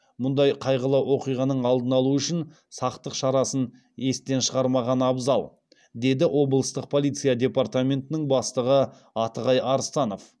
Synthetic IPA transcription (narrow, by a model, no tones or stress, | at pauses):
mʊnd̪ɑjqʰɑjʁəlˠɑwo̞qijʁɑnəɴɑlˠd̪ənɑlˠuʏʃɪn | sɑqt̪əqʃɑɾɑsən | e̞st̪e̞nʃəʁɑɾmɑʁɑnɑbzɑlˠ | d̪e̞d̪ɪwʔo̞blˠəst̪əq̚pʰo̞lˠijt̪sɨjad̪ʲe̞part̪amʲe̞nt̪ɪnɪŋbɑst̪əʁə | ɑt̪əʁɑjɑɾəst̪ɑno̞f